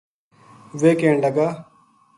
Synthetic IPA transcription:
ʋeːkeːɳləɡaː

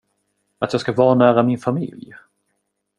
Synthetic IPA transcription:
at̪jɑːɡskaɡvɑːɳæːɾamɪnfamɪ̰lj

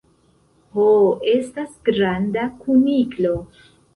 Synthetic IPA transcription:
hoe̞stasɡɾandakʰuniklo̞

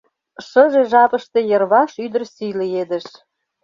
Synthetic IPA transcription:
ʃəʒeʒɑpəʃt̪e̽jərβɑʃyd̪ərsijlied̪ə̆ʃ

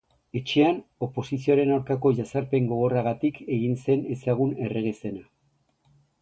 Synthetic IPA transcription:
e̞t͡ʃe̞ano̞po̞sisio̞ɾe̞nawɾkako̞ʝasaɾpe̞ŋɡo̞ɣ̞o̞raɣat̪ike̞ɣ̞inse̞ne̞saɣ̞une̞re̞ɣe̞se̞na

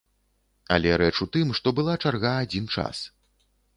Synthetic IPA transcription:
a̰lʲɛɾɛt͡ʂut̪ɨmʂt̪ɔbɨlˠat͡ʂarɣaːd͡zʲint͡ʂa̰s

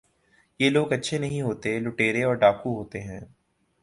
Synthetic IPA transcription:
jeːloːɡɐtːʃʰenɐɦĩɦoːt̪elʊʈeːɾeɔːɾɖaːkuɦoːt̪eɦɛ̃ː

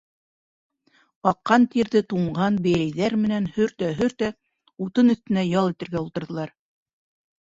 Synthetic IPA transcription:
ɑqːɑnt̪iɾðɘt̪uɴɢɑnbæ̆jæjðæɾmɘ̆nænhɵɾt̪æɦɵɾt̪æ | ut̪ɤnɵ̆θt̪ɘ̆næjɑlˠit̪ɘ̆ɾɡæulˠt̪ɤ̆ɾðɤ̆lˠɑɾ

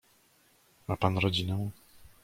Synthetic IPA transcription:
mapanɾɔd͡ʑinɛw̃

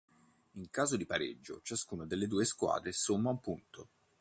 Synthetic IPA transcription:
iŋkaːzod̪ipaɾḛd͡ʒːo̰t͡ʃaskuːnad̪elːed̪uːeskwa̰ːd̪ɾesomːaumpunt̪o

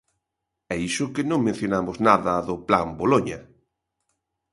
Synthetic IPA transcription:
ɛisʊkɪnõŋmẽn̟θjonamʊznaðɐðʊplamboloɲɐ

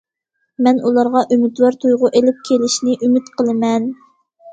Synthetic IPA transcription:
mɛnulˠɑɾʁɑʔymɪd̪lˠɑɾt̪ʰujʁʊʔelɪp̚kʲʰelɪʃnɪʔymɪt̪qʰəlˠɨmɛn

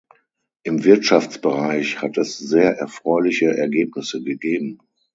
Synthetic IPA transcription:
ʔɪmvɪɐtʃaft͡sb̥əʁaɪçhatɛszeːɐʔɛɐfʁ̥ɔʏlɪçəʔɛɐɡeːp̚nɪsəɡəɡeːb̚m̩

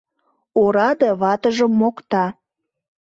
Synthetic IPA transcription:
oɾɑd̪eβɑt̪əʒəmːokt̪ɑ

